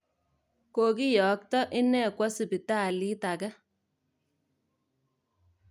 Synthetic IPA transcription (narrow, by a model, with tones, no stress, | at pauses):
ko˨ki˦jɔ˨k̚tɔ˦ʔɪ˦nɛ˦˨kwɔ˦si˨bi˨ta˦˨li˦ta˨kɛ˦